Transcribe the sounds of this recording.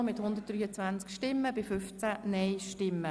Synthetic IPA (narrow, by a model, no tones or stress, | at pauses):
mɪthʊnd̪əttd̥ɾyːət͡sʋænt͡skʃtɪmːəbɪfʏft͡sænɛjʃtɪmːə